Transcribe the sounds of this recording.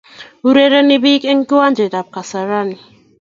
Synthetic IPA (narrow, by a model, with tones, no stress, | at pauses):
u˦ɾe˦ɾə˦ni˦bi˦ke˦ŋku˦wa˦nd͡ʒe˨da˨p̚ka˨sa˨ɾa˦ni˨